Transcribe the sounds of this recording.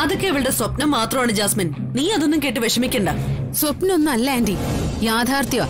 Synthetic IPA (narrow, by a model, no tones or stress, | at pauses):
ɐðokːeiʋiɭɨɽe̞swɐpnɐmːaːt̪rɐmaːɳɨd͡ʑaːsmin | niːɐðonːumke̞ːʈ̬ːɨʋeʂɐmikʲːɐɳɖɐswɐpnɐmonːɨɐlːɐndijaːd̪ʱaːrt̪jɐʋa̰